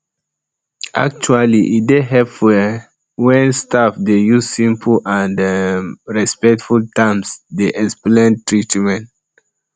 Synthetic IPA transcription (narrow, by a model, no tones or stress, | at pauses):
ʔa̰k̚t͡ʃualiʔit̚deɦɛpfɛ | wɛ̃nstafdejusĩmpʰãnd | ɹɛspɛk̚tfultãmsdeʔɛksplɛ̃ntɹitmɛ̃n